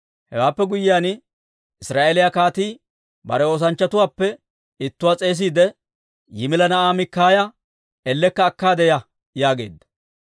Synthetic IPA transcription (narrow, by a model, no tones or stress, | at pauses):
hɛ̰waːpːɛɡʊjːɪjaːn | ɪsɾaːʔelɪjɐkaːt̪iː | bɐ̰ɾɛo̞ːs̬ɐnt͡ʃːɐt̪ʊwaːpːɛ | ɪt̪ːʊwaːt͡sʼe̞ːs̬iːd̪ɛ | jɪmɪlɐnɐʔaːmɪkːaːjɐ | ɛlːɛkːɐːkːaːd̪ɛjɐ | jaːɡeːd̪ːɐ̥